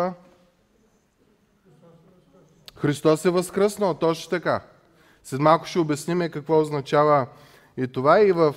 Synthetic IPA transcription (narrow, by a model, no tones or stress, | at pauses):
xɾist̪ɔsɛvəskɾəsnəlˠt̪ɔt͡ʃt̪ɐka | sɛt̪malˠkʊ̥ʃɛʊbɛsnimɛkɐkvɔʊznɐt͡ʃavə | ɛt̪ovaivəf